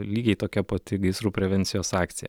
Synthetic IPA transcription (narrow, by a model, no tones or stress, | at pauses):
lʲiːɡʲɛɪt̪oːkʲɛpot̪ʲɪɡɐɪsɾuːpʲɾʲɛʋʲɛnt̪sʲɪjoːsɑːkt̪sʲɪjɛ̰